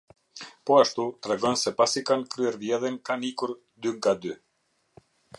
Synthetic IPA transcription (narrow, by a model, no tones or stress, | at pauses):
pɔaʃt̪ut̪ɾɛɡɔnsɛpasikankɾyɛɾvjɛðɛnkanikuɾ | d̪yŋɡad̪y